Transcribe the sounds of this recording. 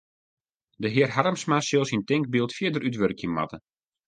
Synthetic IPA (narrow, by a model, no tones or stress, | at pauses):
dəɦɪərɦaɾəmsmasɪlˠsintɪŋk̚biəlˠtfjɪədəɾʔytʋørkəmːa̰tə